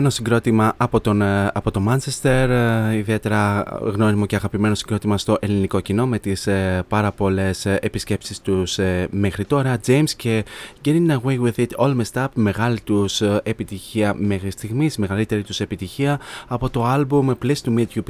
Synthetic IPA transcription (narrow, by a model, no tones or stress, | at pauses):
enosiɡɾo̞t̪imɐʔɐpo̞t̪onɐpo̞t̪o̞mɐnt͡ʃest̪e̞ɾiðie̞t̪e̞ɾɐɣno̞nimo̞ceɐɣɐpime̞no̞siŋɡɾo̞t̪imɐst̪o̞ʔe̞liniko̞cino̞me̞t̪ispɐɾɐpo̞le̞sepisce̞psist̪usme̞xɾit̪o̞ɾɐd͡ze̞jmsce̞ɡeɾiŋnɐwejwiðit̪ʰolmest̪ɐpme̞ɣɐlit̪use̞pit̪içiɐme̞xɾist̪iɣmisme̞ɣɐlit̪e̞ɾit̪use̞pit̪içiɐɐpo̞t̪o̞ɐlbumplesi̥t̪umid̪jup